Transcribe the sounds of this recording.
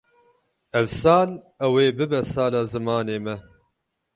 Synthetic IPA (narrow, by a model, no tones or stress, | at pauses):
ɛwsɑːl | ɛweːbɨbɛsɑːlaːzɨmɑːneːmɛ